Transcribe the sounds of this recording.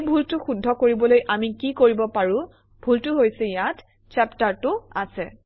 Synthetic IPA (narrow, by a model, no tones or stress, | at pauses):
bʱultʊxudʱːɔkoɹibɔlojʔamikikoɹibɔpaɹʊ̃ | b̥ʱultʊɦojsɛjat | t͡ʃɛptaɹtʊa̰sɛ